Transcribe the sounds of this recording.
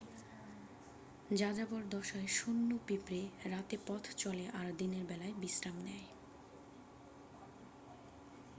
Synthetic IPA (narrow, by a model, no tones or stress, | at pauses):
d͡ʑad͡ʑaboɾd̪ɔʃaeʃunːopipɾeɾat̪epɔt̪ʰt͡ɕɔleʔaɾd̪ineɾbɛlaebisɾamnɛj